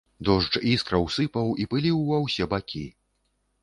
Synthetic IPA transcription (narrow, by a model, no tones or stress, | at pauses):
d̪ɔʐd͡ʐiskɾɐwsɨpɐwipɨlʲiwːawsʲɛbakʲʰi